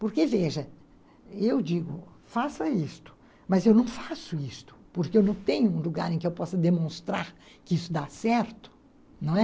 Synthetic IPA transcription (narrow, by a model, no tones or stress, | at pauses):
poɾkeveʒɐ | ewd͡ʒiɡʊfasɐist̪ʊ̥ | mɐzewnɐ̃w̃fasʊist̪ʊ̥poɾkɪewnɐ̃w̃t̪ẽɲʊũluɡaɾẽkɪewpɔsɐd̪emõst̪ɾaɾ | kɪisʊd̪asɛɾt̪ʊ̥ | nɐ̃w̃ɛ